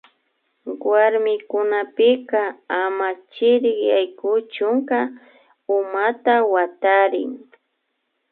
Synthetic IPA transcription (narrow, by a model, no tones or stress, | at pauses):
waɾmɪkʊnapɪkaamat͡ʃɪɾɪkjajkʊt͡ʃʊŋka | ʊmat̪awat̪aɾɪ̰ŋ